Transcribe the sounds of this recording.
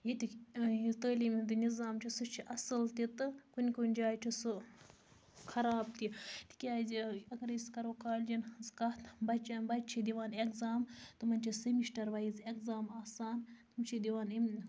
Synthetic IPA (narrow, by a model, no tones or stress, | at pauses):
jit̪ʲiit̪əːliːmid̪ɨnizaːmt͡ʃʰisɨt͡ʃʰiʔɐsɨlt̪it̪ɨkunʲkunʲd͡ʒaːjt͡ʃʰisɨ | xʰɐɾaːb̚t̪it̪ʰi̥kʲaːziɐɡɐɾiskɐɾoːkaːlʲd͡ʒinskɐt̪bɐt͡ʃɐnbɐt͡ʃʰid̪ʲiʋaːnekzaːmt̪ɨmɐnʲt͡ʃʰisɐmiʃʈɐɾʋɐizekzaːmaːsaːnt̪umt͡ʃʰid̪ʲiʋaːnim